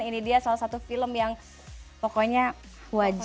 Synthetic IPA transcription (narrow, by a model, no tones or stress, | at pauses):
inidiasalasat̪ufiləmjaŋ | pɔkoɲa | wad͡ʒ